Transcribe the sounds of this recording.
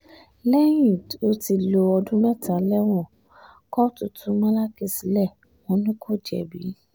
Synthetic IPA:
lɛ˦jĩ˨do˧˦ti˧lo˧ɔ˧dũ˦mɛ˦ta˨˦lɛ˦w̃ɔ̃˦˨ | kɔ˦tu˨tũ˧˦mã˦la˦ki˦˨si˨lɛ˦˨ | wɔ̃˧˦nũ˦ko˦˨d͡ʒɛ̰˨bi˨˦

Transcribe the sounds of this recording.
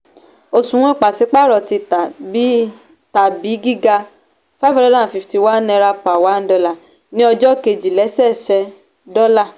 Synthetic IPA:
o˨sũ˨ɔ̃˦i˦˨k͡pa˨si˨˦k͡pa˦˨ɾɔ˨ti˧˦ti˦ | ta˨bi˨˦ɡi˦ɡa˧ | fa˦fi˦ɾɔ˦dã˦˨fi˨fti˧wa˦nɛ̃˧ɾa˧pːwa˨˦n̩˦dɔ˧la˨ | nĩ˦ɔ˧d͡ʒɔ˦ke˧˨d͡ʒi˨lɛ˨˦sɛ˦˨sɛ˧ | dɔ˦la˦˨

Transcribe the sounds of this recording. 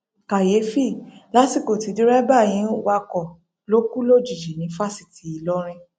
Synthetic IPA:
ka˨je˨˦fi˦˨la˨˦si˦˨ko˨ti˨˦di˦ɾɛ˦ba˦˨j̃ĩ˨˦wa˧kɔ˨ | lo˦ku˦lo˦˨d͡ʒi˨d͡ʒi˨nĩ˨˦fa˦si̥˨ti˨i˨˧lɔ˦ɾ̃ĩ˧

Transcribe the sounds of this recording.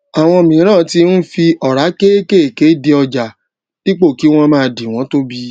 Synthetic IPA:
a˨w̃ɔ̃˧mĩ˨˦ɾ̃ã˦˨ti˧n̩˦fi˧ɔ˨ɾa˨˦ke˦ke˦˨ke˨˦di˧ɔ˧d͡ʒa˨ | li˦k͡po˦˨ki˨˦w̃ɔ̃˦mãː˨˧di˨w̃ɔ̃˨˦to˦bi˦˧

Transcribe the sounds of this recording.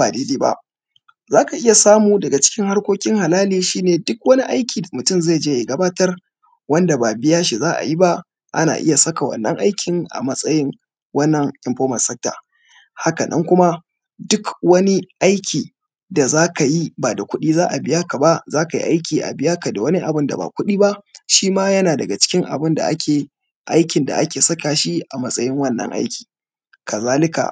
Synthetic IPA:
baː˨deː˦deː˦ba̰˦ʔ | zaː˦ka˨ʔɪ˦ja˨saː˦muː˨dɐ˨ɡa˨t͡ʃɪ̥˦kʲɪ˦ŋha˦rkʷoː˦kʲɪ˦ŋha˨laː˦liː˨ʃiː˦neː˨dʊ˦kwɐ˦ni˦ʔa˦jkʲiː˨da˨mʊ˨tʊ˦˨mza˦˨d͡ʒeː˦ji˨ɡɐ˦baː˦tɐ˦r | wɐ˦nda˨baː˨bɪ˦jaː˦ʃi˨zaː˦ʔa̰˨ji˦ba˦ʔ | ʔa̰˦na̰ː˨ʔɪ̰˦ja˨sɐ˦ka˨wɐ̰˨nːɐ̰˦ŋʔa˦jkʲʰɪ˨ŋʔa̰˨mɐ˦sʼɐ˦jɪ˦ŋ | wɐ˦nːɐ˨ŋʔɪ˨mɸoː˦mɐ˨sɛ˦k̚ta̰ː˨ | ha˦ka˨nʔɐ̰˦ŋkʷʊ˦ma˦ | dʊ˦kwɐ˦ni˦ʔa˦jkʲiː˨ | da˨zaː˦ka˨ji˦ba˨da˨kʷʊ˦ɗiː˦zaː˦ʔa˨bɪ˦ja˦ka˨ba˦ʔzaː˦ka˨jḭ˦ʔa˦jkʲiː˨ʔa̰˨bɪ˦ja˦ka˨da˨wɐ˦ni˦ʔa˨bɪ˦nda̰˨ba̰ː˨kʷʊ˦ɗiː˦ba˦ʔʃiː˦maː˦jɐ˦naː˨dɐ˨ɡa˨t͡ʃɪ̥˦kʲɪ˦ŋʔa̰˨bɪ˦nda̰˨ʔa˦kʲʰeː˨ | ʔa˦jkʲɪ˨nda̰˨ʔa˦kʲeː˨sɐ˦ka˨ʃi˦ʔa˨mɐ˦sʼɐ˦jɪ˦ŋwɐ˦nːɐ̰˦ŋʔa̰˦jkʲi̥ː˨ | kɐ˨zaː˦lɪ˦ka̰˨

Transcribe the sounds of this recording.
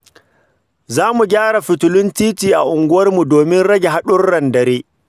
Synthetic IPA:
zaː˦mu˨ɡʲaː˦ɽa˨ɸɪ˨tʊ˨lʊ˦ntiː˦tiː˨ʔa̰˨ʔʊ˨ŋɡʷʊ˦wɐ˦rmu˨doː˨mɪ˦nɽɐ˦ɡʲe˨ɦa˦ɗʊ˦rːɐ˨ndɐ˨ɾeː˦

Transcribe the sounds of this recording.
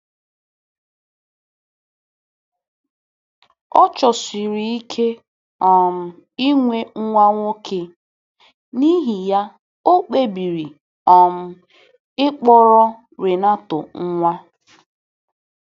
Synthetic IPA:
ɔ˦t͡ʃɔ˨si˨ɾi˨i˦kʰe˦ | ɔ˨m̩˦ | i˦ŋʷe˦ŋ̩˦ŋʷa˦ŋʷo˦kʰe˦ | ni˦ɦi˨ja˦ | o˦k͡pe˦˨bi˨ɾi˨ | ɔ˨m̩˦ | ɪ˦k͡pɔ˦ɾɔ˦ | ɾe˨na˦tʊ˨ŋ̩˦ŋʷa˦

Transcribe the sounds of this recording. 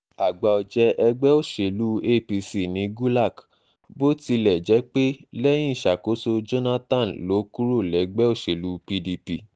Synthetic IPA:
a˨ɡ͡ba˨ɔ˨d͡ʒɛ˧ʔɛ˧ɡ͡bɛ˦o˦˨ʃe˨lu˦e˦pi˧si˦˨nĩ˨˦ɡu˦la˦˨k | bo˦ti˧lɛ˨d͡ʒɛ˨˦k͡pe˦lɛ˦j̃ĩ˦˨ʃa˨ko˨˦so˧d͡ʒo˦na˦tã˦˨n˨lo˨˦ku˦ɾo˦˨lɛ˨˦ɡ͡bɛ˦o˦˨ʃe˨lu˨˦pi˧di˧pi˧

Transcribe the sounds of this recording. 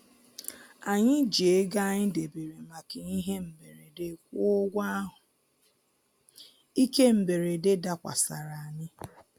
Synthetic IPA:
a˨ɲɪ˦d͡ʒe˦ɡa˦˨ɲɪ˦de˨be˨ɾi˨ma˨ke˨i˦ɦe˦m̩˨be˨ɾe˨de˨kʷu˦o˦ɡʷa˦ɦʊ˨ | i˦ke˦m̩˨be˨ɾe˨de˦da˨kʷa̰˨sa̰˨ɾa˨a˨ɲɪ˦

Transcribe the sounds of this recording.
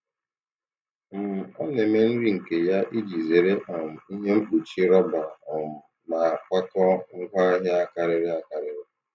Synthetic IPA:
m̩˨ɔ˦ne˨me˦n̩˦ɾi˦ŋ̩˨ke˨ja˦ʔi˦d͡ʒi˨ze˨ɾe˦ʔa˨m̩˨i˦ɦe˦ŋ͡m̩˦k͡pu˨t͡ʃi˦ɾɔ˦ba˨ɔ˨ | ma˨kʷa˦kɔ˦ŋ̩˦kʷa˦ɦja˦a˦ka˨ɾɪ˦ɾɪ˦a˦˨ka˨ɾɪ˦ɾɪ˦

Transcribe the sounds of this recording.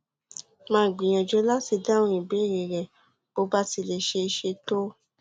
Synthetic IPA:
mãː˦˨ɡ͡bĩ˨j̃ã˨d͡ʒɔ˧˦la˦ti˧dã˦ɔ̃˧˦i˨be˨˦˨ɾe˨ɾɛ˨ | b̥o˨˦ba˦ti˧le˧˦ʃe˧ʃe˧to˦

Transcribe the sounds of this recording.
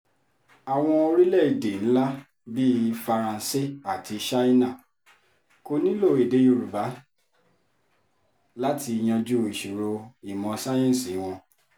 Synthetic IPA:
a˨w̃ɔ̃˧o˧ɾi˦lɛ˦˨i˨de˨ñ̩˦la˦ | bi˦˧fa˧ɾã˧˦se˦a˦˨tʰi˧ʃa˦i˦nã˦˨ | ko˧nĩ˦lo˦˨e˨de˨˦jo˧ɾu˨va˨˦ | la˦ti˧i˧j̃ã˧d͡ʒu˦˧i˨ʃu˨ɾo˧i˦˨mɔ̃˧sa˦jɛ̃˦˨si˨˦w̃ɔ̃˧

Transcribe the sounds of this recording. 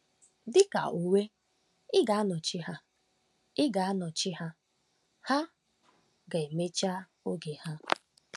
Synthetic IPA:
dɪ˦ka̰˨ʔo˨we˦ | ɪ˦ɡa˨a˦nɔ˨t͡ʃɪ˦ɦa˦ | ɪ˦ɡa˨a˦nɔ˨t͡ʃɪ˦ha˦ | ha˦ | ɡa˨e˨me˦t͡ʃa˦ | o˦ɡe˨ha˦

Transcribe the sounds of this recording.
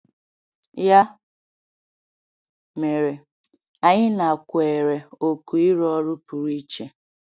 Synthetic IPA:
ja˦ | me˨ɾe˨ | a˨ɲɪ˦na˨kʷe˨ɾe˨o˨ku˨i˦ɾɔ˦ɾʊ˦pu˨ɾi˦t͡ʃe˦

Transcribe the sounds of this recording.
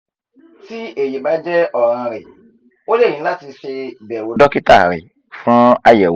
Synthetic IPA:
ti˦e˨ji˨ba˨˦d͡ʒɛ˦ɔ˦˨ɾ̃ã˧ɾɛ˨ | o˦le˦˨ĩ˨˦la˦˨ti˧ʃe˧bɛ˨wo˧˦dɔ˦ki˦ta̰˦˨ɾḛ˨ | fũ˦a˧jɛ˨w

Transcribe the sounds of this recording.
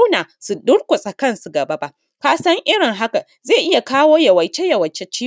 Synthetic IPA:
naː˨su˨dʊ˦ɽkʷʊ˨sʼa˨kɐ˦˨nsu˨ɡɐ˨ba˦ba˦ʔ | kaː˦sɐ˦ŋʔɪ˦ɽɪ˨ŋɦa˦ka˨ | ze˦˨ʔɪ˦ja˨kaː˦woː˦jɐ˨wɐ˨jt͡ʃe˦jɐ˨wɐ˨t͡ʃe˦t͡ʃiː˦

